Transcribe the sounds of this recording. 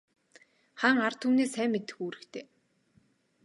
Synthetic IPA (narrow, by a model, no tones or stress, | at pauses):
χaːŋart̪ʰuːneːsæːmːet̪ɘ̆xuːɾɘ̆kt̪ʰeː